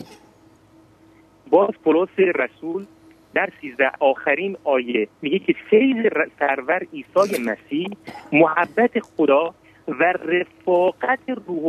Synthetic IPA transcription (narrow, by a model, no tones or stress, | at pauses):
bɒːzpʰoloːseɾæsuːl | d̪æɾsiːzd̪æɒːxæɾiːnɒːjemiːɡekʰefejzesæɾvæɾiːsɒːjemæsiːhmohæbːæt̪ʰexod̪ɒː | værefɒːɣæt̪ʰeruːh